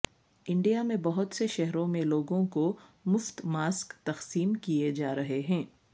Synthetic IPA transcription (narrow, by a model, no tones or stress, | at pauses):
ɪ̃ɳɖijamẽbɐɦʊt̪seʃɛɦɾõmẽloːɡõkomʊft̪maːskt̪ɐqsiːmkied͡ʒaːɾɐɦeɦɛ̃ː